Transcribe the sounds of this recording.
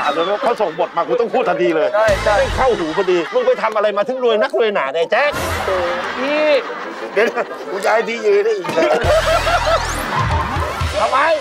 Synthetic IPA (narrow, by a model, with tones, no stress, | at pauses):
aː˨˦mloː˧nɔː˥˩kʰaː˦˥˩wso˨˩˦ŋbo˨˩t̪̚maː˧kʰu˧t̪ɔ˥˩ŋpʰuː˥˩t̪ʰa˧d̪iː˧lɤː˧ja˥˩ja˧˩˥kʰa˥˩whuː˨˩˦pʰa˧diː˧mɯ˧˨ŋp̬a˨˩jt̪ʰa˧mʔa˧ɾa˧jmaː˧t̪ʰɯ˨˩˦ŋɾu˧əjna˦˥k̚ɾu˧əjnaː˩˦na˧˩jt͡ɕɛː˦˥˩k̚ | tʰiː˧˥˩ | be˧˦n˧˩ | u˧˦jaː˧˩jt̪iː˧jɯː˧ɾaː˥˩ʔiː˨˩ka˧˥˧ | t̪ʰa˧mːa˨˧j